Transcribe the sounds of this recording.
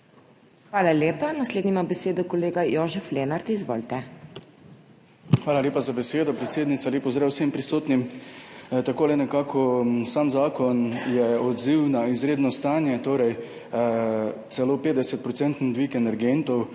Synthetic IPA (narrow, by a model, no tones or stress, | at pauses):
xʋaːlaljeːpanasleːd̪nimabɛseːd̪ɔkɔleːɡajoːʒɛfleːnaɾt̪izʋo̰ːlt̪ɛ | xʋaːlaljeːpazabɛseːd̪ɔpɾɛt̪seːd̪nit̪saleːpɔzɾɛwsempɾisoːt̪nim | t̪akoːlɛnɛkaːkʰɔsaːmzaːkɔnjɛɔd̪ziwnaizɾeːd̪nɔst̪aːnjɛt̪oːɾɛj | t̪sɛloːpeːd̪d̪ɛsɛt̪̚pɾɔt̪sɛnt̪nɔd̪ʋikɛnɛɾɡent̪ɔw